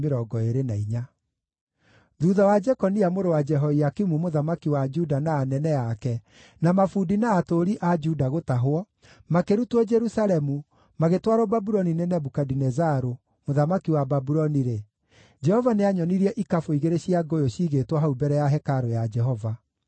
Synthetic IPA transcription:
meɾɔɡɔeɾenaiɲa | ðuːðawad͡ʒɛkɔniamoɾowad͡ʒɛɦɔiakimumoðamakiwad͡ʒudanaːnɛnɛakɛ | namafuːdinaːtoɾiʔad͡ʒudaɣotaɦoɔ | makeɾutwɔd͡ʒɛɾusalɛmu | maɣetwaɾɔbabuɾɔninenɛbukadinɛzaɾo | moðamakiwababuɾɔniɾe | d͡ʒɛhɔvaneaɲɔniɾiɛʔikafoiɣeɾeɕiaɡojoɕiːɣetwɔɦaubɛɾɛjaɦɛkaɾojad͡ʒɛɦɔva

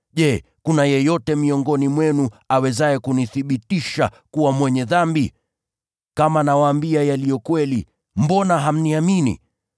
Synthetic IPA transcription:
ʄɛkunajɛjɔtɛmiɔŋɡɔnimwɛnu | awɛzajɛkuniθiɓitiʃa̰kuwamwɛɲɛðambi | kamanawaːmbiajalijɔkwɛli | m̩bɔnaɦam̩niaminḭ

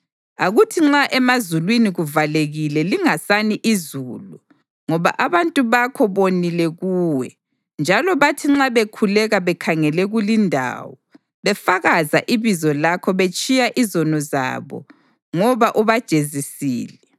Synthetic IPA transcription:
aɣutʰiŋ͡ǁaʔɛmazulwiniɣuvaleɣilɛliŋasaniʔizulu | ŋɔβa̰ʔaβantʼuβakʰɔβonilɛɣuːwɛ̰ | nd͡ʒʱalɔβatʰiŋ͡ǁaβekʰulɛɣaβɛkʰaŋɛlɛɣulindʱa̰wɔ | βɛfaɣaza̰ʔiβizɔlakʰɔβet͡ʃʼijaʔizɔnɔza̰βɔ̰ | ŋɔβaʔuβad̥ʒ̥ʱezisiːlɛ

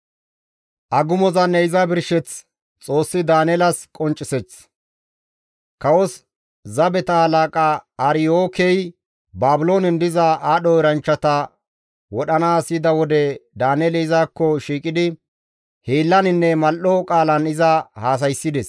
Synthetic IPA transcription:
ʔɐɡʊmɔzɐnːɛɪzɐbɪɾʃɛt͡s | t͡sʼo̞ːsːɪd̪aːnɛlɐskʼɔnt͡ʃʼːɪsɛt͡s | kɐwɔs | zɐbɛt̪ɐhɐlaːkʼaːɾɪjoːkɛj | baːbʊlo̞ːnɪnd̪ɪzɐʔaːɗɔɪɾɐnt͡ʃːɐt̪ɐ | wɔɗɐnaːsɪd̪ɐwɔd̪ɛd̪aːnɛlɛɪzaːkːɔʃiːkʼɪd̪ɪ | heːlːɐnɪnːɛmɐlʔɔkʼaːlɐnɪzɐhaːs̬ɐjsːɪd̪ɛs

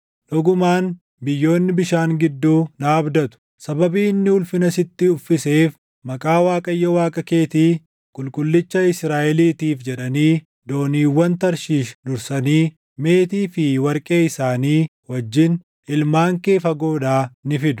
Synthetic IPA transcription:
ᶑɔɡʊmaːn | bɪjːo̞ːnːɪbɪʃaːŋɡɪd̪ːuːnaːbd̪ɐt̪ʊ̥ | sɐbɐbiːɪnːɪʊlfɪnɐsɪt̪ːɪʊfːɪse̞ːf | mɐkʼaːwaːkʼɐjːɐwaːkʼɐke̞ːt̪iː | kʼʊlkʼʊlːɪt͡ʃːɐɪsɾaːʔɛliːt̪iːfd͡ʒɛᶑɐniː | d̪o̞ːniːwːɐnt̪ɐɾʃiːʃnʊɾsɐniː | me̞ːt̪iːfɪwɐɾkʼe̞ːɪsaːniː | wɐd͡ʒːɪn | ɪlmaːŋke̞ːfɐɡo̞ːd̪aːnɪfɪd̪ʊ

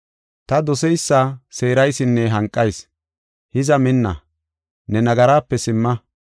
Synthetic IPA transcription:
t̪ɐd̪ɔsɛjsːaseːɾɐjsɪnːɛɦɐŋkʼːɐjs | hɪzɐmɪnːɐ̰ | nɛnɐɡɐɾaːpːɛsɪmːɐ

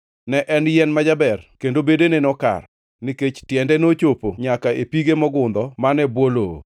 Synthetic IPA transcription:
nɛʔɛnjɛnmad͡ʒabɛrkendobedenenɔka̰r | niket͡ʃtjɛndɛnot͡ʃopoɲakaepiɡemɔɡʊnd̪ɔmanɛbwolo

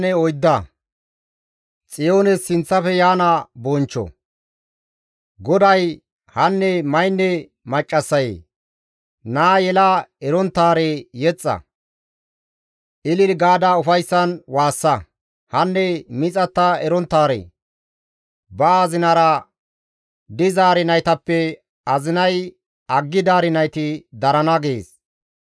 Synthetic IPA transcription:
nɛɔjd̪ːɐ | t͡sʼɪjo̞ːnɛsɪnt͡sːɐfɛjaːnɐbɔnt͡ʃːɔ̰ | ɡɔd̪ɐj | hɐnːɛmɐjnːɛ | mɐt͡ʃʼːɐsːɐjḛː | naːjɛlaɛɾɔnt̪ːaːɾejɛt͡sʼːɐ̰ | ʔɪlɪɾɡaːd̪ɐʊfɐjsːɐnwaːsːɐ | hɐnːɛmɪt͡sʼɐt̪ːɐɛɾɔnt̪ːaːɾḛː | bɐːzɪnɐɾɐ | d̪ɪzaːɾɪnɐjt̪ɐpːɛ | ɐzɪnɐj | ɐɡːɪd̪aːɾɪnɐjt̪ɪd̪ɐɾɐnɐɡeːs

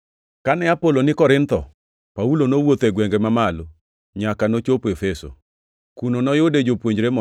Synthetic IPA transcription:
kanɛapolonɪkɔɾɪnt̪ɔ | paulonowot̪ɛɡwɛŋɡemamalo | ɲakanot͡ʃopefeso̰ | kunonɔjʊded͡ʒopwoɲd͡ʒɾemɔ

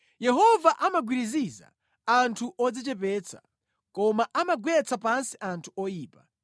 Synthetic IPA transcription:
jɛɦɔvaʔamaɡwiɾiziza̰ | antʰuʔɔd͡zɛt͡ʃɛp̬ɛːt͡sʰḁ̰ | kɔmaʔamaɡwɛt͡sʰapansiʔantʰuɔjiːpḁ

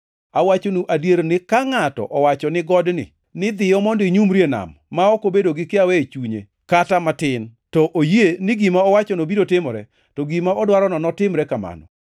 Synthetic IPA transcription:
awat͡ʃonuʔadjeɾnɪkaŋatɔ̰ʔɔwat͡ʃɔnɪɡɔdnɪ̰ | nɪd̪ɪjɔmɔndɪɲumɾjena̰mːaɔkobedoɡɪkɪawet͡ʃuɲḛ | katamatɪntɔʔojienɪɡimaɔwat͡ʃɔnobiɾotɪmɔɾɛ̰ | tɔɡimaɔdwaɾɔnɔnɔtɪmɾɛkama̰nɔ̰

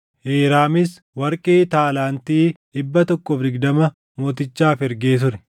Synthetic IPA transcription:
ʔeːɾaːmɪs | wɐɾkʼeːt̪aːlaːnt̪iːᶑɪbːɐt̪ɔkːɔfɾɪɡd̪ɐmɐ | mo̞ːt̪ɪt͡ʃːaːfɛɾɡeːt̪̬ʊɾɛ

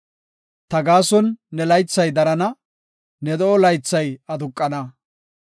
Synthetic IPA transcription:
t̪ɐɡaːsɔnːɛlɐjt͡sːɐjd̪ɐɾɐnɐ | nɛd̪ɔɔlɐjt͡sːɐjɐd̪ʊkʼːɐnɐ

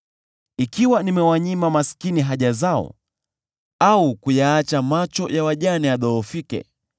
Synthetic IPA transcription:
ikiwanimɛwaɲimamasi̥kiniɦaʄazaɔ̰ | aukujaat͡ʃamat͡ʃɔjawaʄaniaɗɔɔfikɛ̰

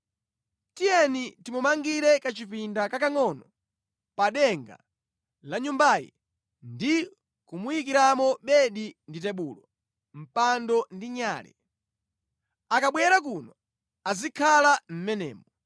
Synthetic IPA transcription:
tijɛnitimumaŋɡiɾɛkat͡ʃipindakakaŋɔnɔ | paɗɛŋɡa̰ | laɲumbajḭ | ndi | kumujikiɾamɔɓɛɗindit̬ɛɓulɔ | m̩pandɔndiɲaːlɛ̰ | akaɓwɛɾak̬unɔ | azikʰalam̩mɛnɛ̰ːmɔ

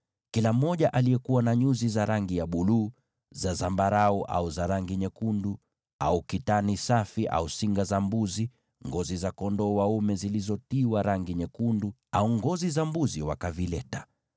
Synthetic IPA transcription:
kilam̩ːɔʄaʔalijɛkuwanaɲuzizaɾaŋɡijaɓuluː | zazambaɾauʔa̰uzaɾaŋɡiɲɛkundu | a̰ukitanisafiʔa̰usiŋɡazambuzi | ŋɡɔzizakɔndɔwaumɛzilizɔtiwaɾaŋɡiɲɛkundu | auŋɡɔzizambuziwa̰kavilɛtḁ

